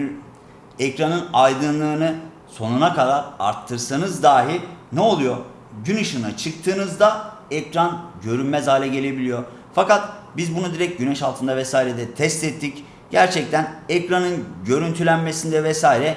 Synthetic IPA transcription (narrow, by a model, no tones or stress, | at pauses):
ɛcɾanɯnajd̪ɯnlˠɯːnɯ | so̞nunakʰad̪aɾa̰ɾt̪ʰːɯɾsanɯzd̪aːɦilʲnɛo̞lˠujo | ɟynɯʃɯnat͡ʃʰɯk̚t̪ʰɯːnɯzd̪a | ɛcɾanɟø̞ɾynmɛzhaːlʲɛɟe̞lʲe̞bilʲijo̞ɾ | fakat̪̚bizbunud̪iɾɛc̚ɟynɛʃalˠt̪ʰɯnd̪avɛsaːiɾɛd̪ɛt̪ʰɛst̪ɛt̪ʰːic | ɟæɾt͡ʃʰɛc̚t̪ʰænɛcɾanɯnɟø̞ɾynt̪ʰylʲænme̞sind̪ɛvɛsaːiɾɛ